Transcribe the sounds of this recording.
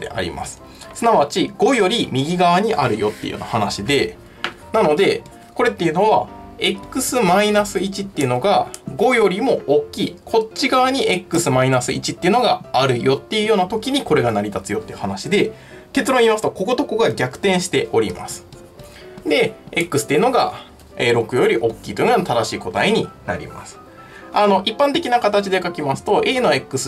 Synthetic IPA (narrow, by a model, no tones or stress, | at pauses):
ḛa̰ɾʲḭma̰sɨ̥ | sɨnaβat͡ɕiɡ̥o̞jo̞ɾʲimʲiɡʲiɡaβaɲ̟iʔaɾɯ̟jo̞t̪ːe̞jɯ̰jo̰ːna̰hanaɕid̪e̞ | nano̞d̪e̞ | ko̞ɾe̞t̪ːe̞jiɯ̟no̞βae̞kːɯ̟sɨmainasɨit͡ɕit̪ːe̞iɯ̟no̞ɡaɡo̞jo̞ɾʲimo̞okʲːiːkʰo̞t͡ɕːiɡaβaɲ̟iʔe̞kːɯ̟sɨmainasɨit͡ɕit̪ːeiɯ̟no̞ɡaaɾɯ̟jo̞t̪ːe̞jɯ̟jo̞ːnat̪o̞kʲiɲ̟iko̞ɾe̞ɡanaɾʲit̪at͡sɨjo̞t̪ːe̞jɯ̟hanaɕid̪e̞ | t̪e̞t͡sɨɾõ̞iːmasɨ̥t̪o̞ko̞ɡo̞t̪o̞ko̞ɡaɡʲakɯ̟̥t̪ẽ̞ɰ̃ɕi̥t̪e̞ʔo̞ɾʲḭma̰sɨ̥ | d̪e̞ekːɯ̟sɨ̥t̪ːeɯ̟no̞ɡa̰ | eɾo̞kɯ̟jo̞ɾʲiʔo̞kʲːiːt̪oiɯ̟nojoat̪ad̪aɕiːko̞t̪a̰iɲ̟ina̰ɾʲḭma̰sɨ̥ | ano̞ʔipːãnt̪e̞kʲinakat̪at͡ɕid̪e̞kakʲimasɨ̥t̪o̞ʔeːno̞e̞kːɯ̟sɨ